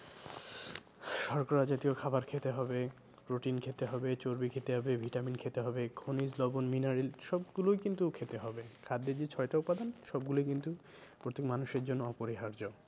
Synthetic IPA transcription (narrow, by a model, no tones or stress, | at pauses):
ʃɔɾkoɾad͡ʑat̪iokʰabaɾkʰet̪eɦɔbe | ɾoʈinkʰet̪eɦɔbet͡ɕoɾbikʰet̪eɦɔbebʱiʈaminkʰet̪eɦɔbekʰonid͡ʑlɔbonminaɾilʃɔbɡulojkint̪ukʰet̪eɦɔbekʰad̪ːed͡ʑet͡ɕʰɔeʈaupːad̪anʃɔbɡulojkint̪u | pɾot̪ekmanuʃeɾd͡ʑonːoɔpoɾiɦaɾd͡ʑo